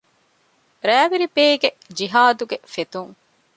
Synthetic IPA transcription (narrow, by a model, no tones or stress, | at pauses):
ɾæːʋiɾipeːɡe | d͡ʒiɦaːd̪uɡefet̪uŋ